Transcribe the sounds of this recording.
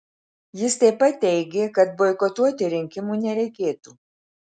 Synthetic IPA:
jɪst̪ɐɪpɐt̪ːʲɛɪɡʲeːkɐt̪̚boɪkɔt̪uɔt̪ʲɪɾʲɪŋʲkʲɪmuːnʲɛɾʲɛɪkʲeːt̪uː

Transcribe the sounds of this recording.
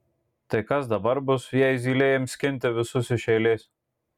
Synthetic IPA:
t̪ɐɪkɐsd̪ɐbɐɾbʊsʋʲijɛjzʲiːlʲeːjɛmsʲkʲɪnʲt̪ʲɪʋʲɪsʊsʲɪʃʲɛɪlʲeːsʲ

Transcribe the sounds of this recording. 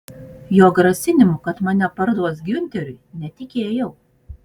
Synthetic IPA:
joːɡɾɐsʲɪnʲɪmʊkɐt̪mɐnʲɛpɐɾd̪uɔsɡʲʊnʲt̪ʲɛɾʲʊɪnʲɛt̪ʲɪkʲeːjɛʊ

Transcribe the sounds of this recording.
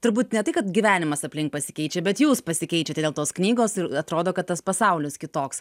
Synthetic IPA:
t̪ʊɾbuːt̪nʲɛt̪ɐɪkɐt̪ɡʲiʋʲæːnʲɪmɐsɐpʲlʲɪŋk̚pɐsʲɪkʲɛɪt͡ʃʲɛbʲɛt̪juːspɐsʲɪkʲɛɪt͡ʃʲɛt̪ʲɛd̪ʲeːlˠt̪oːsknʲiːɡoːsɪɾɐt̪ɾoːd̪oːkɐt̪t̪ɐspɐsɐʊlʲɪskʲɪt̪oːks

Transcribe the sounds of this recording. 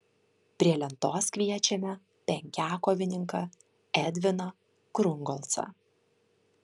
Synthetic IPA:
pʲɾʲiɛlʲɛnt̪oːskʲʋʲiɛt͡ʃʲɛmʲɛ | pʲɛŋʲkʲæːkɔʋʲɪnʲɪŋkɐ | ɛd̪ʲʋʲɪnɐ | kɾʊŋɡɔlˠt̪sɐ̰

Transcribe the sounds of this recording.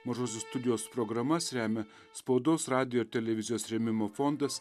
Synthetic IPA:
mɐʒoːs̬ʲʊst̪ʊd̪ʲɪjoːspɾɔɡɾɐmɐsɾʲæːmʲɛ | spɐʊd̪oːsɾɑːd̪ʲɪjoɪɾt̪ʲɛlʲɛʋʲɪzʲɪjoːsɾʲɛmʲɪmoːfɔnd̪ɐs

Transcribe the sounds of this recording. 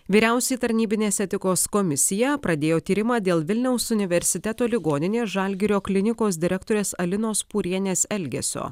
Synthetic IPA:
ʋʲiːɾʲæˑʊsʲɛiːt̪ɐɾʲnʲiːbʲɪnʲeːsɛt̪ʲɪkoːskomʲɪsʲɪjɛpɾɐd̪ʲeːjoːt̪ʲiːɾʲɪmɑːd̪ʲeːlˠʋʲɪlʲnʲɛʊsʊnʲɪʋʲɛɾʲsʲɪt̪ʲɛt̪oːlʲɪɡoːnʲɪnʲeːʒɐlʲɡʲɪɾʲoːklʲɪnʲɪkoːs̬d̪ʲɪɾʲɛkt̪oːɾʲeːsɐlʲɪnoːspuːɾʲiɛnʲeːsɛlʲɡʲɛ̰sʲo̰ː

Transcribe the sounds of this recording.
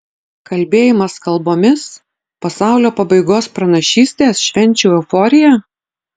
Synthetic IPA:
kɐlʲbʲeːjɪmɐskɐlˠboːmʲɪs | pɐsɑˑʊlʲoːpɐbɐɪɡoːspɾɐnɐʃʲiːsʲt̪ʲeːsʃʲʋʲɛnʲt͡ʃʲɛːɛfɔːɾʲɪjɛ

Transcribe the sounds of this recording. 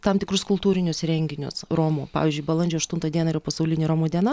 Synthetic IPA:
t̪ɐmt̪ʲɪkɾʊskʊlˠt̪uːɾʲɪnʲʊsɾʲɛŋʲɡʲɪnʲʊ̰sɾoːmuːpɑ̰ːʋʲiːzʲd͡ʒʲʊɪbɐlˠɐnʲd͡ʒʲoːɐʃt̪ʊnt̪ɐd̪ʲiɛnɐɪɾjoːpɐsɐʊlʲɪnʲeːɾoːmoːd̪ʲiɛnɐ

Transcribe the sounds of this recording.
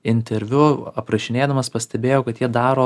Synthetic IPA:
ɪnʲt̪ʲɛɾʲʋʲʊɐpɾɐʃʲɪnʲeːd̪ɐmɐspɐsʲt̪ʲɛbʲeːjoːkɐt̪jiɛd̪ɑːɾoː

